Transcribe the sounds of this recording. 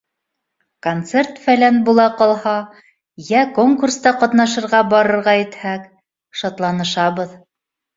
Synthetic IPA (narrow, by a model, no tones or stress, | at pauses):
kont̪se̞rt̪fælænbulˠɑqɑlˠhɑ | jækoŋkurst̪ɑqɑt̪nɑʃɤ̆ɾʁɑbɑɾɤ̆ɾʁɑjɘ̆t̪hæk | ʃɑt̪lˠɑnɤ̆ʃɑβɤð